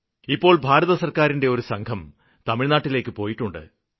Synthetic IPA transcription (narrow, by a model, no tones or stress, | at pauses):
ipːo̞ːɭbʱaːɾɐðɐsɐrkaːɾinde̞o̞ɾusɐŋkʰɐm | t̪ɐmiɻnaːʈːile̞ːkːɨpo̞ːjiʈːuɳɖɨ̰